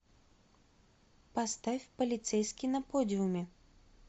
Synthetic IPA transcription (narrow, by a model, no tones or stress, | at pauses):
pɐst̪afʲpəlʲɪt̪sɛjskʲɪnɐpodʲɪʊmʲɪ